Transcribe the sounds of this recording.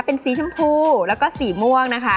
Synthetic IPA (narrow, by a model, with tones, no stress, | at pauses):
pe˧nsiː˧˦t͡ɕʰa˥˩mpʰuː˧˩lɛː˦˥wkɔː˥˩siː˨˩mu˧˩əŋna˦˥kʰa˦˥